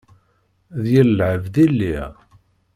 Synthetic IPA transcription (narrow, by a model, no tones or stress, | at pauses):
ðjəlːʕəvðilːi